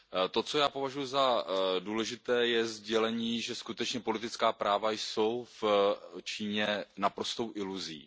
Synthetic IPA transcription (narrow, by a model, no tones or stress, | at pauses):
t̪o̞t͡so̞jaːpo̞vaʒujuzaduːlɛʒɪt̪ɛːjɛzɟɛlɛɲiːʒɛskut̪ɛt͡ʃɲɛpo̞lɪt̪ɪt͡skaːpɾaːvajso̞wft͡ʃiːɲɛnapɾo̞st̪o̞wʔɪluzḭː